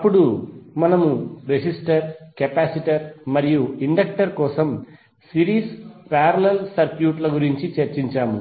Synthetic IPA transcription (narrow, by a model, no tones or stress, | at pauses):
ɐpːuɽumɐnɐmuɾesisʈɐɾkepaːsiʈɐɾmɐɾijuiɳɖɐk̚ʈɐɾkɔːsɐm | siɾiːspaːɾɐlelsɐɾkjuːʈlɐɡuɾiɲt͡ʃit͡ʃɐɾt͡ʃiɲt͡ʃaːmu